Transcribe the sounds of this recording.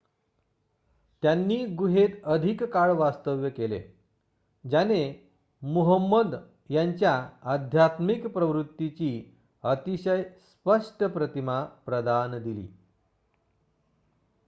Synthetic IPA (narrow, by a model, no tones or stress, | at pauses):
t̪janːiːɡuɦet̪əd̪ʱikkaɭʋast̪əʋjəkelḛ | d͡ʑane | muɦəmːəd̪ | jaɲt͡ɕjaːd̪ʱjat̪mikpɾəʋɾut̪ːit͡ɕiː | ət̪iɕəjspəʂʈəpɾət̪imapɾəd̪and̪ilḭː